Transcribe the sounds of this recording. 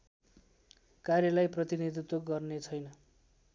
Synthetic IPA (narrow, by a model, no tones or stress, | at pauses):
karjʌlajprʌt̪ined̪ʱut̪woɡʌrnet͡sʰʌjnʌ